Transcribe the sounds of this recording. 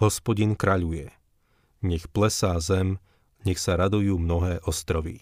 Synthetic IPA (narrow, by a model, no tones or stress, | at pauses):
ɦɔspɔɟinkɾaʎujɛ | ɲɛxplɛsaːzɛm | ɲɛxsaɾad̪ujuːmnɔɦɛːʔɔst̪ɾɔʋḭ